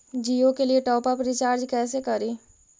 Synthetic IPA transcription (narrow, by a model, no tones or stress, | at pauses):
d͡ʒiːokelieʈɔːpapɾit͡ʃaːɾd͡ʒkɛːsekɐɾiː